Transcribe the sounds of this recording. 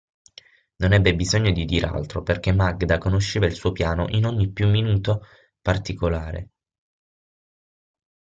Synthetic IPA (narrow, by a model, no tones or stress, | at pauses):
nonɛbːebizoɲːod̪id̪iːɾea̰lt̪ɾoperk̟emːaɡd̪akonoʃːeːvailsuːopjaːno̰ʔinoɲːipːjumːinuːt̪o | part̪ikolaːɾḛ